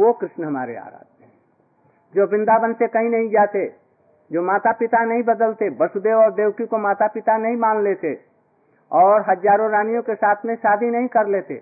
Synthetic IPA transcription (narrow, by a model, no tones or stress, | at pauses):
ʋokɾɪʃnɦəma̰ːɾḛa̰ːɾa̰ːd͡ʒ | d͡ʒoːbɪ̃nd̪abənsekɐɦĩnəɦĩd͡ʒaːt̪e | d͡ʒoːmaːt̪apɪt̪anəɦĩbəd̪əlt̪ebəsud̪eːʋɔːɾd̪eːwʈikomaːt̪apɪt̪anəɦĩmaːnleːt̪ḛ | ɔːɾɦəd͡ʒaːɾõɾaːnijõkesaːt̪ʰmẽʃaːd̪ʱinəɦĩkəɾleːt̪ḛ